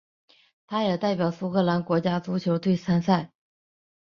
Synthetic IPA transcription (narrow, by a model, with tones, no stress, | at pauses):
t̪ʰa˥jɛ˨˩t̪a˥˩ɪpjɑ˨˩ʊsu˥kʰɤ˥˩la˧˥nkwɔ˧˥t͡ɕja˥t͡su˧˥t͡ɕʰjo˧˥ʊt̪we˥˩ɪsa˥nsa˥˩ɪ